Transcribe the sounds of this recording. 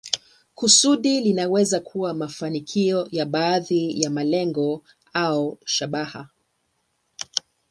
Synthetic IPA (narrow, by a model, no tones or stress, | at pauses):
kusuɗilinawɛzakʰuwamafanikʰiɔjaɓaːðijamalɛŋɡɔ | auʃaɓaha